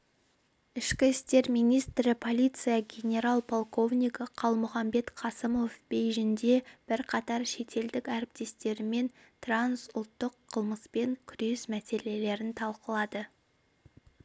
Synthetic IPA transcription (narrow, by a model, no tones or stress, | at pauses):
ɪʃkʲɪst̪e̞ɾmijnʲijst̪ɾɪpʰo̞lʲijt̪sɨjɑɡʲe̞nʲe̞ɾalˠpʰo̞lˠko̞vnʲijkəqʰɑlˠmʊχɑmbe̞t̪qʰɑsəmo̞fb̥ejʒɪnd̪e̞b̥ɪɾqʰɑt̪ɑɾʃe̞t̪ʰe̞ld̪ɪkʲæɾɪp̚t̪e̞st̪e̞ɾɪme̞n | t̪ransʊlˠt̪ːəqʰːəlˠməspe̞ŋkʲʰʏɾe̞smæse̞le̞le̞ɾɪnt̪ʰɑlˠqəlˠɑd̪ə